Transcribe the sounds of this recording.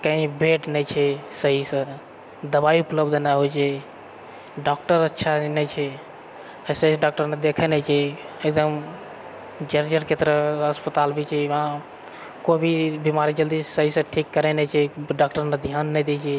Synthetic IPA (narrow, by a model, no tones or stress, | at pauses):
kəĩbeʈnɛt͡ʃʰɛsəɦisə | d̪əbaiupləbd̪ʱnaɦot͡ʃʰɛ | ɖɔk̚ʈəɾətːʃʰanɛt͡ʃʰɛ | səɦisɖak̚ʈəɾned̪ekʰɛnɛt͡ʃʰɛ | ek̚d̪əm | d͡ʒəɾd͡ʒəɾket̪ɾəəspət̪albit͡ʃʰɛʋã | kobʱibimaɾid͡ʒəld̪isəɦisə̃ʈʰikːəɾenɛt͡ʃʰɛɖak̚ʈəɾned̪ʱjanːɛjd̪et͡ʃʰɛ